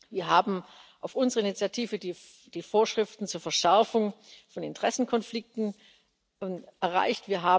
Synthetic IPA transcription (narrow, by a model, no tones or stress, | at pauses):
viːɐɦaːbm̩ʔaʊfʊnzəʁəɪnit͡sjatʰiːvədi | d̥iːfoːɐʃʁ̥ɪftn̩t͡suːɐfɐʃɛɐfʊŋfɔnɪ̰ntʁ̥ɛsn̩kʰɔnflɪk̚tn̩ | ʔɛɐʁa̰ɪçtv̥iːɐɦaː